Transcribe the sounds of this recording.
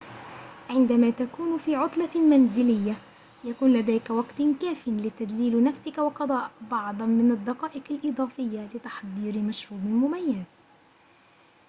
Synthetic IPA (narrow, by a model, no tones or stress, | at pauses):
ʕɪnd̪amaːt̪akuːnfiːʕʊt̪ˤlɑmanzɪlɪjːa | jakuːnlad̪aːjkawɑɡt̪kaːfɪnlɪt̪ad̪liːlnafsɪkawɑqɑd̪ˤɑːbɑʕd̪ˤɑnmɪnad̪ːɑqɑːʔɪqalʔɨd̪ˤɑːfɪjːalɪt̪ɑ̥ħd̪ˤiːɾmaʃɾuːbɪlmʊmajːaz̥